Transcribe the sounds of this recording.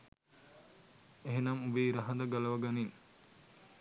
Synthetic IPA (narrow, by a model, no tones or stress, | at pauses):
eɦenɐmubeːɾɐɦɐnd̪ɐɡɐlɐʋɐɡɐniŋ